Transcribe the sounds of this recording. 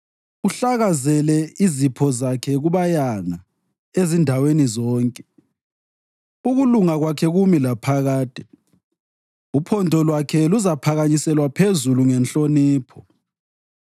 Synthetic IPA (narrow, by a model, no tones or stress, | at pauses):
uɬaɣazɛlɛizipʰɔzakʰɛɣuβajaŋa | ezindʱawenizɔːŋkʼɛ̥ | uɣuluŋaɣwakʰɛɣumilapʰaɣaːd̥ʱʼɛ | upʰɔndʱɔlwakʰɛluzapʰaɣaɲisɛlwapʰezuluŋɛnɬʼoniːpʰɔ